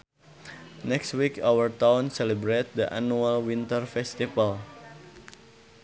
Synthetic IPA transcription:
nɛkst̪wikawərt̪awnsɛlibɾet̪̚d̪əʔa̰nualwint̪ərfɛst̪ifal

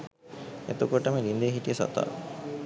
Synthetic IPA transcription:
et̪ukoʈəməlind̪ejəɦit̪ijəsɔ̰t̪a̰ː

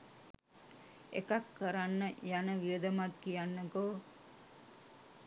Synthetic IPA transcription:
ḛkakːəɾanːəjanəʋiʋəd̪əmat̪kijanːəɡoː

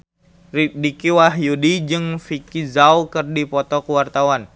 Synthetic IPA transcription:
ridikiwaɦjudid͡ʒɨŋfikizaukɨrdipɔt̪ɔkəwart̪awan

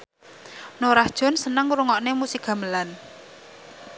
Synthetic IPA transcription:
noɾahd̥ʒ̥ɔ̤nsənəŋɾuŋɔʔnemusikɡ̥ä̤məlan

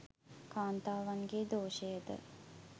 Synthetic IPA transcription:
kaːnt̪aːʋaŋɡeːd̪oːʃəjəd̪ə̰

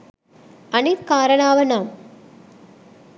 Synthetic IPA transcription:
ɐniɾkaːɾɐnaːʋɐnaːm

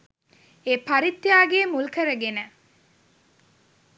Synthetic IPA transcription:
eːpaɾit̪ːjaːɡeːmulkəɾəɡenə

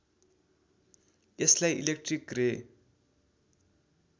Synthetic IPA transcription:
eslajʔilek̚ʈrikre

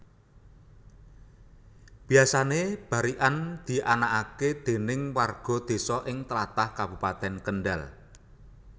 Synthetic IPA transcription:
b̥i̤jasaneb̥a̤ɾiʔand̪̥i̤ʔanakaked̪̥e̤nɪŋwarɡ̥ɔ̤d̪̥e̤sɔʔɪŋt̪əlat̪ahkab̥upat̪ɛnkənɖa̰l

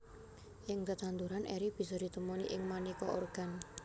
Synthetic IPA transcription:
ʔɪŋd̪ət̪ant̪uɾanʔɛɾib̥i̤sɔd̪̥i̤t̪əmoniʔɪŋmanikɔʔo̰rɡ̥a̤n

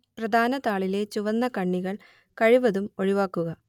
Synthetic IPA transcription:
prɐd̪ʱaːnɐt̪aːɭile̞t͡ɕuʋɐnːɐkɐɳːiɣɐɭ | kɐɻiʋɐðumoɻiʋaːkːuɣɐ

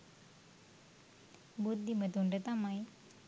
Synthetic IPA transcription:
bud̪ːimət̪uɳɖət̪amaj

